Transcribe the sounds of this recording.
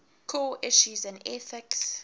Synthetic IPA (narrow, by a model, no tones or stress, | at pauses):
kʰoʔɪʃuzɛ̃nɛθɪks